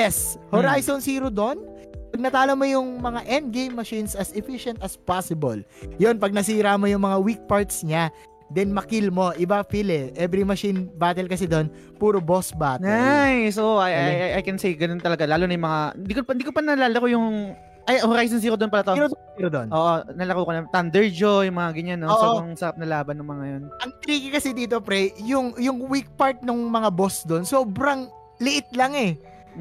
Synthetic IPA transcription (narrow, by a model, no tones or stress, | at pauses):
jɛshoɾajsonsiːɾod̪o̞n | pɐɡ̚nɐt̪aːlomojʊŋmɐŋaʔɛnd̪̚ɡejmːɐʃinsɐsɛfiʃɛnt̪ɐspasɪboljo̞npɐɡ̚nɐsiːɾamo̞jʊŋmɐŋawik̚paɹt̪sɲa | d̪ɛnmɐkilmo̞ʔɪbafilɛʔɛbɾimɐʃinbaːt̪ɛlkɐsɛd̪o̞n | puːɾobosbaːt̪najsoajajajajkɛnsejɡɐnont̪ɐlɐɡalaːlonɐjʊŋmɐŋaɪnd̪iːkopɐnd̪iːkopɐnɐlalɐkojʊŋ | ʔɐjhoɾajs̬ons̬iːkod̪onpɐlɐt̪aʔɾo | iɾod̪onʔoːʔonɐlɐkukonɐt̪ɐnd̪ɛɹd͡ʒojʊŋmɐŋaɡɪɲːanːooːsʔoŋsɐɾap̚nɐlaːbɐnːʊŋmɐŋajonʔɐŋt̪ɾiːkɪkɐsɛd̪iːt̪o̞pɾɛjʊŋjʊŋwik̚paɹt̪̚nʊŋmɐŋabo̞sd̪o̞nso̞ːbɾɐŋ | lɪʔɪt̪̚lɐŋɛ